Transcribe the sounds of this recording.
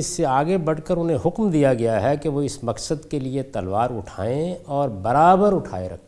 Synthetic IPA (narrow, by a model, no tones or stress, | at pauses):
ɪsːeaːɡebɐɽ̤kəɾʊnɦẽɦʊkmd̪ijaɡɐjaɦɛkeʋoɪsmɐksəd̪keliet̪ɐlʋaːɾʊʈʰa̰ːẽɔːɾbɐɾaːbəɾʊʈʰa̰ːḛɾɐ̰kʰe